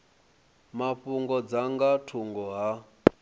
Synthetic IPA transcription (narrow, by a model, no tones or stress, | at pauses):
maɸuŋɡɔd͡zaŋɡatʰuŋɡɔɦa